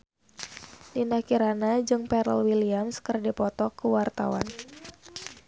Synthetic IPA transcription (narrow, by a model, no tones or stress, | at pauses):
lindahkiɾanad͡ʒɨŋpɛɾə̰lwiliamskərdipɔt̪ɔkəwart̪a̰wa̰n